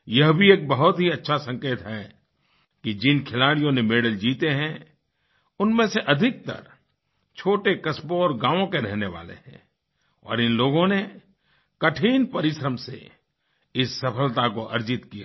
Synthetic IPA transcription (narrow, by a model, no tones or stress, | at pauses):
jɐɦbʱieːk̚bɐɦʊt̪ɦiɐtːʃʰasɐ̃ŋkeːt̪ɦɛ | kid͡ʒɪnkʰɪlaːɽijõnemeːɽəld͡ʒiːt̪eɦɛ̃ | ʊnmẽseʔɐd̪ʱɪk̚t̪ɐ̰ɾ | t͡ʃʰoːʈekɐsbõɔːɾɡãːʋõkeɾɛɦneʋa̰ːlḛɦɛ̰̃ | ɔ̰ːɾɪnloːɡõne | kɐʈʰiːnpɐɾɪʃɾəmsḛ | ɪsːɐpʰəlt̪akoʔɐɾd͡ʒɪt̪kija̰